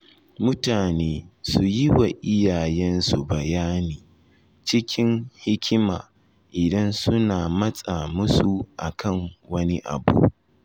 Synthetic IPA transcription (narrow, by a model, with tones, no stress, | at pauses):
mʊ˦taː˨neː˦su˨jɪ˦wa˨ʔɪ˦jaː˨jɛ˦nsu˨bɐ˨jaː˦niː˨ | t͡ʃɪ˦kʲɪ˦ŋhɪ˦kʲʰɪ˦maː˨ | ʔɪ˨dɐ˦nsʊ˦naː˨mɐ˦sʼa˨mʊ˦su˨ʔa̰˨kʰɐ˦˨ŋwɐ˦ni˦ʔa̰˨bṵ˦